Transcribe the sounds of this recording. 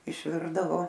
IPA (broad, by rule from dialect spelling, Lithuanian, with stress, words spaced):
ɪʃʲˈʋʲɪrdɐʋoː